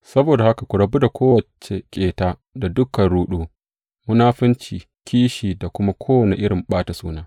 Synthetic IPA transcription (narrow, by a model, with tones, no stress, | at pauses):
sɐ˦boː˨da˨ha˦ka˨kʷʊ˨ɽɐ˨bu˦da˨kʷoː˦wɐ˨t͡ʃe˨kʲʼeː˨taː˦ | da˨dʊ˦kɐ˨nɽuː˦ɗuː˦ | mʊ˦naː˦ɸɪ˦nt͡ʃiː˨ | kʲiː˦ʃiː˨da˨kʷʊ˦ma˦kʷʰoː˦wɐ˨ne˨ʔɪ˦ɽɪ˨mɓaː˦ta˨suː˦naː˦